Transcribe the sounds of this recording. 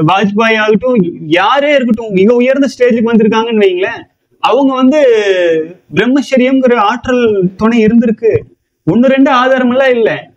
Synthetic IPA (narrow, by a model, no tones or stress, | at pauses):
ʋaːd͡ʒbaːjaːɣɪʈːʊ̃jaːɾeːɪɾɯk̬ːɯʈːʊ̃ɪŋɡɐʊjɐɾnd̪ɐsʈeːd͡ʒɪlɯkːɯʋɐnd̪ɪɾɯkːaːŋɡɐɛnːɯʋɐjŋɡɐɭɐ | ɐʋɐŋɡɐʋɐnd̪ɯ | bɪɾɛmːɐʃɐɾɪjɐmɔɾɯaːʈːɾɐlt̪ɔɳɐɪɪɾɯnd̪ɪɾɯkːɯ | ɔnːɯɾɛɳɖɯaːðaːɾɐmɐlːaːɪlːɛ